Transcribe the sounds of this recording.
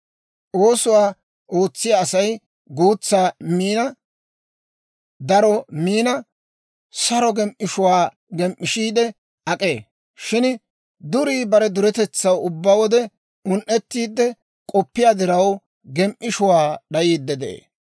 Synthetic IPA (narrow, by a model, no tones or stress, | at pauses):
ʔo̞ːsʊwaː | o̞ːt͡sːɪjaːsɐj | ɡuːt͡sːaːmiːnɐ | d̪ɐɾɔmiːnɐ | sɐɾɔɡɛmʔɪʃʊwaː | ɡɛmʔːɪʃiːd̪ɛ | ɐkʼe̞ː | ʃɪn | d̪ʊɾiːbɐɾɛd̪ʊɾɛt̪ɛt͡sːɐwʊbːawɔd̪ɛ | ʊnʔɛt̪ːiːd̪ːɛ | kʼɔpːɪjaːd̪ɪɾɐw | ɡɛmʔʔɪʃʊwaːɗɐjiːd̪ːɛd̪ɛʔḛː